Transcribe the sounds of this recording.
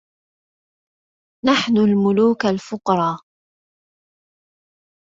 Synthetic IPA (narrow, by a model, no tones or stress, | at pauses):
naħnʊlmʊluːkalfʊqɾˤɑː